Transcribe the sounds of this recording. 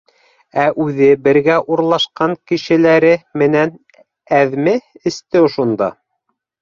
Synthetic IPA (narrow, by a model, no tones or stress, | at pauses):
æʔʉðɘbɘ̆ɾɡæʔuɾlˠɑʃqɑŋkɘ̆ʃɘ̆læɾɘmɘ̆næn | æðmɘɘ̆st̪ɘŏʃund̪ɑ̰